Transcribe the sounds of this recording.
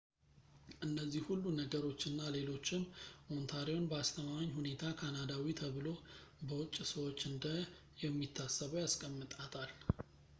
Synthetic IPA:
ʔɨnːəzːihhulːunəɡəɾo̞t͡ʃːɨnːale̞lo̞t͡ʃːɪmmo̞nt̪ʰaɾio̞nbəast̪ʰəmaaɲhune̞t̪ʰakʰanad̪awit̪ʰəβɨlo̞bəwʊt͡ʃʼːsəwo̞t͡ʃːɨnd̪ə | jɛmːit̪ʰːasːəβəwjaskʼəmːɨt̪ʼat̪ʰʼal

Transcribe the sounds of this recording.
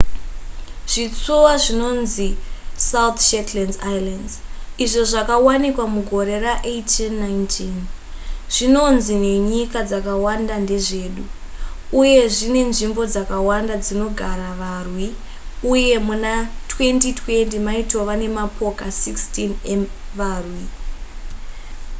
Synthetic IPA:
ʐ̥it͡sowaʐino̞nzisawt̪ʃetlandajlandziʐo̞ʐakawanikwamuɡʱo̞ɾe̞raʔetinːaintʰin | ʐ̥ino̞nzine̞ɲikad͡zakawandande̞ʐe̞ːɗu | uje̞ʐine̞nʐimbo̞d͡zakawandad͡zino̞ɡʱaɾaʋarwi | uje̞munatwe̞ntitwe̞ntimaitwoʋane̞mapʰo̞kasikstinemʋaːrwi

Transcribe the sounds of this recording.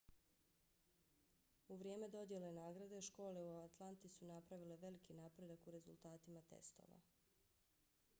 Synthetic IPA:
uʋɾjeːme̞d̪o̞d̪je̞le̞naːɡɾad̪eʃko̞ːle̞uat̪lˠant̪isunapɾaʋile̞ʋe̞likinapɾe̞d̪akuɾe̞zṵlˠt̪aːt̪imat̪e̞̰st̪o̞̰ʋa̰

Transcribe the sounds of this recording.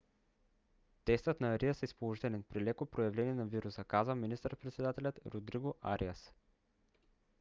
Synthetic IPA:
t̪ɛst̪ət̪nɐːɾiəsɛispolˠoʒit̪ɛlʲɛnpɾilɛkopɾojɐvlɛniɛnɐviɾusəkazvəminist̪əɾəpɾɛt̪sɛd̪at̪ɛlʲɐt̪ɾod̪ɾiɡoʔa̰ɾʔiəs

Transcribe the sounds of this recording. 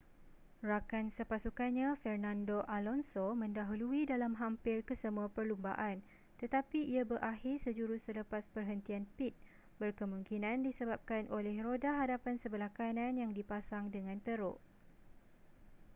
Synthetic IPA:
rakansəpasukanɲãfɛrnãndoʔalɔnsomə̃ndaɦuluidalamɦampɪrkəsəmũapərlumba̰ʔan | t̪ət̪apiiabəɾʔahɪrsəd͡ʒuɾusələpaspərɦənt̪ianpit̪̚ | bərkəmũŋkinãndisəbap̚kanʔolɛhrodaɦadapansəbəlakanãnjaŋdipasaŋdəŋãnt̪əɾʊ̰ʔ

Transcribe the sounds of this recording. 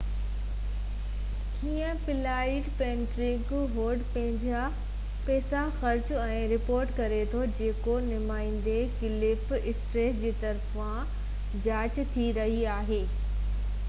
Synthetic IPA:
kiːə̃pɪlaːɪʈpɛ̃ːnʈɾɪ̃kɦoːɾɖpɐ̃ɦɪ̃ɲd͡ʑa | pɛːsaxɐɾt͡ɕʊɛ̃ːɾɪpoːɾʈkɐɾet̪ʰod͡ʑeːkonʊmaːĩnd̪ekɪlɪpɪsʈɾeːsd͡ʑeːt̪ɐɾf | ã | d͡ʑaːt͡ɕt̪ʰiɾɐɦiaːɦeː

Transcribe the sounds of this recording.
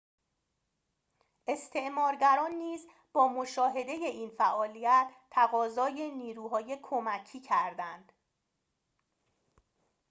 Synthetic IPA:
ʔe̞st̪ʰe̞ʔmɒːɾɟæɾɒːnːiːz | b̥ɒːmoʃɒːɦe̞d̪e̞je̞ʔiːnfæʔɒːlijæt̪ʰːæɣɒːzɒːjeniːɾuːɦɒːje̞kʰo̞mæcʰiːcʰæɾd̪ænd̪̥

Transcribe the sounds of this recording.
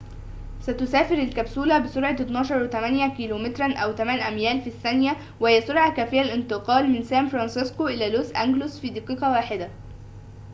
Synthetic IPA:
sæt̪ʊsæːfɪɾɪlkæbsuːlæbɪsoɾˤʕɑt̪ɪt̪nɑːʃɑɾˤwɪt̪æmænjækiːloːmɪt̪ɾˤɑnʔæwt̪æmæːnʔæmjæːlfisːænjæ | wɪhɪjːæsˤʊɾˤʕɑkæːfɪjːælʔɪnt̪ɨqɑːlmɪnsæːmfɾˤɑnsɪskoʔɪlæːloːsʔæ̰ŋɡlosfiːd̪iːqiːqɑwaːħɪd̪æ

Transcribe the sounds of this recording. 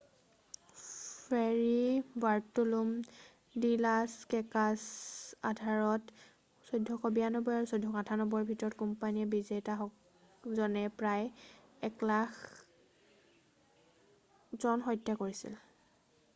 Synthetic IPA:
pʰɛɹibaɹtulum | dilaskɛkasa̰dʱaɹɔt | sojdʱːɔxɔbijanɔbɔjaɹusojdʱɔkatʰanɔbɔɹbʱitɔɹɔt̚kɔmpaniɛbizetaɦɔk | zɔnɛpɹajɛklax | zɔnxɔjtːakoɹisḭl

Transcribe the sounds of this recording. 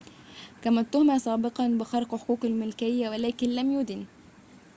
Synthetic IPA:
kæmæt̪ːʊhmæːsˤɑːbɪqɑnbɪxɑɾˤqħo̥kuːqalmɪlkɪjːæwælæːkɪnlæmjud̪ɪn

